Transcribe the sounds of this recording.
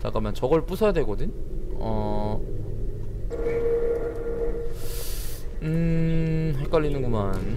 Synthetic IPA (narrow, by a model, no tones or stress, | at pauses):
t͡ɕa̰k͈amjant͡ɕʌɡʌɭp͈usʰʌjadwe̞ɡʌdɯɲʌ | ɯ | ɦek͈aʎːinɯnɡoman